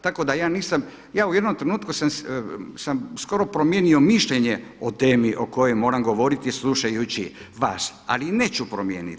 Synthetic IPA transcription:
t̪ako̞d̪ajaːniːsam | jaːuje̞d̪nomt̪ɾe̞nuːt̪kusamssamsko̞ɾo̞pɾomje̞ːnio̞miʃʎeɲeot̪e̞ːmiʔo̞ko̞jo̞jmo̞ːɾamɡo̞ʋo̞ɾit̪islˠuʃajut͡ɕiʋa̰ːsa̰line̞ːt͡ɕupɾomjḛːnḭt̪

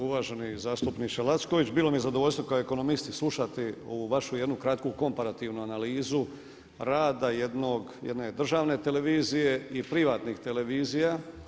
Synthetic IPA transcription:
uʋaːʒe̞nizaːst̪upnit͡ʃelˠat̪sko̞ʋit͡ɕbiːlˠo̞mije̞zad̪oo̞ʎʲst̪ʋo̞kaoeko̞no̞mist̪islˠuʃat̪io̞ʋuʋaʃujed̪nukɾat̪kuko̞mpaɾat̪iːʋnuanaliːzu | ɾaːd̪aje̞d̪noɡjed̪ne̞d̪r̩ʒaːʋne̞t̪e̞le̞ʋiːzije̞ipɾiʋaːt̪nixt̪e̞le̞ʋiːzija

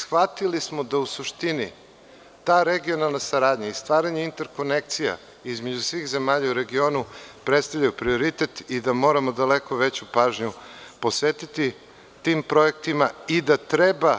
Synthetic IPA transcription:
sxʋat̪ilismo̞d̪ausuʃt̪ini | t̪aːɾeɡio̞nalˠnasaɾaːd̪ɲaist̪ʋaːɾaɲeint̪e̞ɾko̞nek̚t̪sija̰ | izme̞d͡ʑusʋiːxze̞maːʎauɾe̞ɡio̞ːnupɾet̪st̪avlʎajupɾio̞ɾit̪et̪id̪amo̞ːɾamo̞d̪aleko̞ʋe̞t͡ɕupaːʒɲupo̞sʋeːt̪it̪i | t̪iːmpɾo̞je̞k̚t̪imaid̪at̪ɾeba

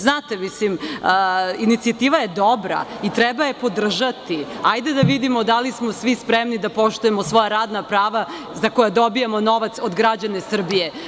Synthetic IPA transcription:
znaːt̪emisliməinit̪siat̪iːʋajed̪obɾa̰it̪ɾɛbajepo̞d̪r̩ʒat̪iajd̪ed̪aʋid̪imo̞d̪alismosʋispɾemnid̪apo̞ʃt̪ujemosʋo̞jaɾaːd̪napɾaːʋa | zakojad̪o̞bijamo̞no̞ʋat̪sod̪ɡɾad͡ʑane̞sr̩bije

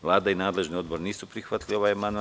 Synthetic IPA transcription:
ʋlˠaːd̪ainaːd̪le̞ʒnio̞d̪boɾniːsupɾixʋat̪lio̞ʋajmanu

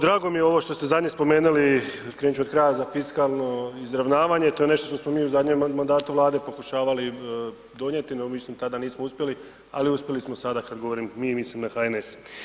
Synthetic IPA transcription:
d̪ɾaːɡo̞mijeo̞ʋo̞ʃt̪o̞st̪ezad̪ɲespo̞me̞ːnulikɾeːɲt͡ʃuod̪̚kɾaːjazafiskalˠno̞izɾaʋnaːʋaɲe̞t̪o̞je̞ne̞ʃt̪o̞ʃt̪osmo̞miːuzad̪ɲemmːand̪aːt̪uʋlˠaːd̪e̞po̞kuʃaːʋali | d̪o̞ɲet̪inomislimt̪ad̪aniːsmouspʲje̞li | a̰liuspʲje̞lismo̞sad̪akad̪ɡo̞ʋoɾimmiːmislimnaxaenes

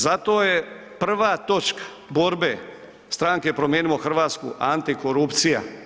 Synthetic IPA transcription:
zat̪o̞je | pr̩ʋaːt̪o̞t͡ʃkḁ | bo̞ɾbe | st̪ɾaŋke̞pɾomjeːniloxr̩ʋaːt̪skṵʔant̪ikoɾupt̪sija̰

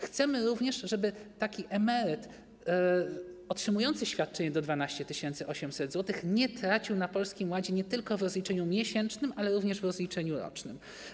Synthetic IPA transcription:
xt̪sɛmɘɾuvɲɛʂʐɛbɘt̪akʲiʔɛmɛɾɘt̪ | ɔtʂɘmujɔnt̪sɘɕfʲjat̪̚t͡ʂɛɲɛd̪ɔd̪vanaɕt͡ɕɛt̪ɘɕɛnt̪sɘʔɔɕɛmsɛd̪zwɔt̪ɘxɲɛt̪ɾat͡ɕiwnapɔlskʲimwad͡ʑɛɲɛt̪ɘlkɔvɾɔzlʲit͡ʂɛɲumʲjɛɕɛnt͡ʂnɘmʔalɛɾuvɲɛʐvɾɔzlʲit͡ʂɛɲuɾɔ̰t͡ʂnɘm

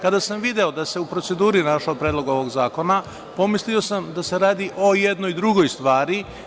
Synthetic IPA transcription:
kad̪asamʋid̪e̞o̞d̪ase̞upɾose̞d̪uːɾinaʃaopɾeːd̪lˠo̞ɡo̞ʋo̞ɡzaːko̞na | po̞mislio̞samd̪ase̞ɾaːd̪iʔo̞jed̪no̞jd̪ɾuɡo̞jst̪ʋaːɾi

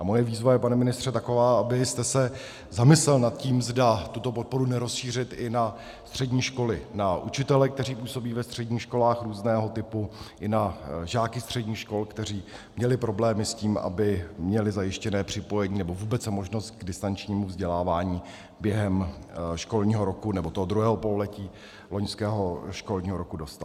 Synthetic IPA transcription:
ʔamo̞jɛviːzvajɛpanɛmɪnɪst̪r̥ɛt̪ako̞vaːʔabɪst̪ɛsɛ | zamɪslɛlnat̪̚ciːmzdat̪ut̪o̞po̞t̪̚po̞ɾunɛɾo̞sʃiːr̝ɪt̪ɪna | st̪r̥ɛdɲiːʃko̞lɪnaʔut͡ʃɪt̪ɛlɛkt̪ɛr̝iːpuːso̞biːvɛst̪r̥ɛɟɲiːxʃko̞laːxɾuːznɛːɦo̞t̪ɪpuʔɪnaʒaːkɪst̪r̝̥ɛɟɲiːxʃko̞lkt̪ɛr̝iː | mɲɛlɪpɾo̞blɛːmɪsciːma̰bɪmɲɛlɪzajɪʃcɛnɛːpr̥ɪpo̞jɛɲiːnɛbo̞vuːbɛt͡smo̞ʒnost̪ɡdɪst̪ant͡ʃɲiːmuvzɟɛlaːvaːɲiː | bjɛɦɛmʃko̞lɲiːɦo̞ɾo̞kunɛbo̞t̪oɦod̪ɾuɦɛːɦo̞pololɛciː | lo̞ɲskɛːɦoʃko̞lɲiːɦoɾo̞kudo̞st̪a̰t̪

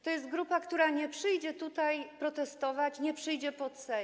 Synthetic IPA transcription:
t̪ɔjɛst̪̚ɡɾupakt̪uɾaɲɛpʂɘjd͡ʑɛt̪ut̪ajpɾɔt̪ɛst̪ɔvat͡ɕɲɛpʂɘjd͡ʑɛpɔt̪sɛ

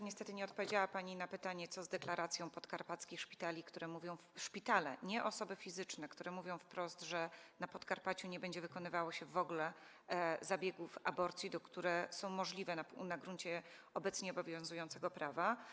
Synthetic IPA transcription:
ɲɛst̪ɛt̪ɘɲɛɔt̪̚pɔvʲjed͡ʑawapaɲinapɘt̪aɲɛt̪sɔzd̪ɛklaɾʔat̪sʲjɔ̃w̃pɔt̪kaɾpat̪skʲixʂpʲi̥t̪alʲikt̪uɾɛmuvʲjɔ̃w̃fʂpʲit̪alɛ̰ɲɛʔɔsɔbɘfʲizɘt͡ʂnɛkt̪uɾɛmuvʲjɔ̃w̃fpɾɔst̪ʐɛnapɔt̪kaɾpat͡ɕuɲɛbɛɲd͡ʑɛvɘkɔnɘvawɔɕɛvɔɡlɛ | zabʲjɛɡufa̰bɔɾt̪sʲjid̪ɔkt̪uɾɛsɔ̃w̃mɔʐlʲivɛnanaɡɾunt͡ɕɛ | ɔbɛt̪sɲiɔbɔvʲjɔ̃zujɔnt̪sɛɡɔpɾava

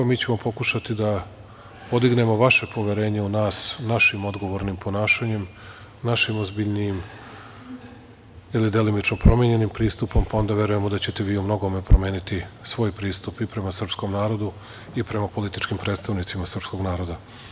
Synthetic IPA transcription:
miːt͡ɕe̞mo̞po̞kuʃat̪id̪a | po̞d̪iɡne̞mo̞ʋaʃe̞pʰo̞ʋje̞ɾe̞ːɲeunaːsnaʃimo̞d̪ɡo̞ʋo̞ɾnimpʰo̞naːʃaɲe̞m | naʃimozbiʎniim | ilid̪e̞limit͡ʃno̞pɾo̞mjeɲe̞nimpɾiːst̪upo̞mpao̞nd̪aʋje̞ɾuje̞mo̞d̪at͡ɕe̞t̪e̞ʋiːumno̞ɡo̞me̞pɾome̞ːnit̪isʋo̞ːjpɾiːst̪upipɾe̞masr̩psko̞mnaːɾo̞d̪u | ipɾe̞mapo̞lit̪it͡ʃkimpɾe̞ːt̪st̪aʋnit̪simasr̩psko̞ɡnaːɾo̞d̪a

